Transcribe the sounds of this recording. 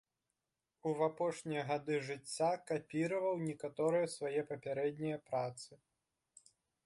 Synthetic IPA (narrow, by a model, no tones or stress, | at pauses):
uvapɔʂnʲijɐɣad̪ɨʐɨt͡sʲːakapʲiɾɐvɐwnʲɛkat̪ɔɾɨjɐsvajɛpɐpʲaɾɛd̪ʲnʲijɐpɾat̪sɨ